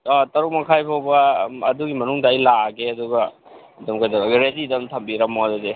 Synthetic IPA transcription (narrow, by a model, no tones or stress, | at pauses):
ɔtɐɾuk̚mɐkʰajpʰawbɐɐduɡimɐnuŋdɐɐjlaɡeɐduɡɐ | dɐmkajdɐbɐɾezidɐmtʰɐmbiɾɐmodude